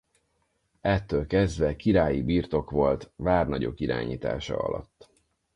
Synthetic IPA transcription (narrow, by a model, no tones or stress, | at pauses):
ɛt̪ːøːlkɛzd̪ʋɛkiɾaːjibiːrt̪o̞kʋo̞lt̪vaːrnɒɟo̞̰kiɾa̰ːɲiːt̪a̰ːʃɒ̰ɒ̰lɒ̰t̪ː